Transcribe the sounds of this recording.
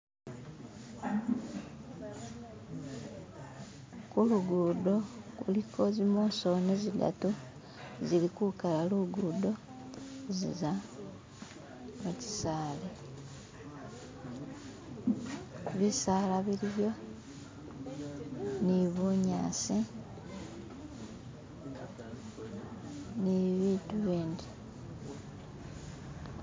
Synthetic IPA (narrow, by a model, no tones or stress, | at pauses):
kuluɡuːdokulikʰo̞zimoːnso̞neziɡa̰tu | zilikukalaluɡudo̞ | zḭza | muci̥saːle | βisaːlaβiɾiβjo̞ | niβuɲa̰ːsi | niβiːtuβiːndi